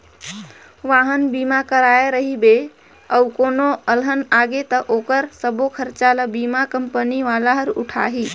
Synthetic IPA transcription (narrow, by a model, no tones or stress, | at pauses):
ʋaɦənbimakəɾaeɾəɦibe | əukonoəlɦənaɡet̪əʔokəɾsəbokʰəɾt͡ʃaləbimakəmpəniʋalaɦəɾṵʈʰa̰ɦi